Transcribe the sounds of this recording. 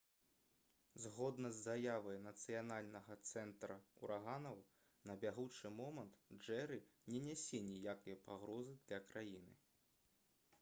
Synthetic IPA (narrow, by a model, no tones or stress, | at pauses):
zɣɔd̪nɐzːajavɐjnɐt̪sɨjanalʲnɐɣɐt̪sɛnt̪ɾɐṵɾaɣanɐw | nɐbʲaɣut͡ʂɨmɔmɐnt̪ʐɛɾɨnʲɛnʲɛsʲɛnʲijakɐjɐpaɣɾɔzɨd̪lʲɐkɾajinɨ̰